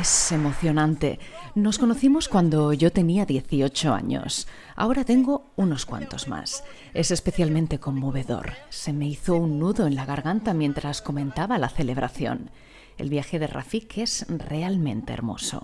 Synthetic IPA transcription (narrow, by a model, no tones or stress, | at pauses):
esemo̞θjo̞nãnt̪e̞̰nosko̞noθimo̞skwand̪o̞ʝo̞t̪e̞niaðje̞θio̞t͡ʃo̞a̰ɲo̞̰s | a̰o̞ɾat̪e̞ŋɡo̞ | uno̞skwa̰nt̪o̞zma̰s | e̞se̞spe̞θjalmẽnt̪e̞ko̞mːo̞β̞e̞ðo̞̰ɾse̞me̞iθo̞unːuðoe̞nlaɣ̞aɾɣant̪amje̞nt̪ɾasko̞mẽnt̪aβalaθe̞le̞β̞ɾʔa̰θjo̞̰n | e̞̰lβjaxe̞ðe̞ra̰fike̞z̥re̞almẽ̞nt̪e̞̰eɾmo̞̰so̞̰